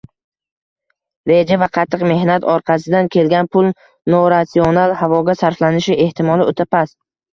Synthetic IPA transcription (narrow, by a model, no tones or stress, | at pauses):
ɾe̞d͡ʒavaqʰɑt̪ʰːɨqme̞hnat̪ʰɒɾqʰɑsɪd̪ankʲʰe̞lɡʲanpʰʊlˠ | noɾat̪sionalhavɒɡʲasaɾflanɪʃɪe̞ht̪ʰɪmɒlˠɪot̪ʰapas